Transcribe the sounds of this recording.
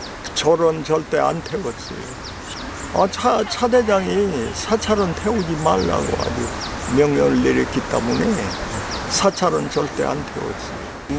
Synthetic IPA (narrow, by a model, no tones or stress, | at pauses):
t͡ɕʌɾʌnt͡ɕʌɭt͈e̞a̰ntʰe̞wʌt͡ɕ͈ḭ | at͡ɕʰat͡ɕʰade̞d͡ʑaŋisʰat͡ɕʰaɾʌntʰeod͡ʑimaɭːa̰ɡo̰a̰d͡ʑumjʌŋɲʌnɯɭːeɾjʌk͈it͈ḛmune̞ | sʰat͡ɕʰaɾʌnt͡ɕʌɭt͈e̞̰a̰ntʰe̞̰wʌ̰t͡ɕ͈ḭ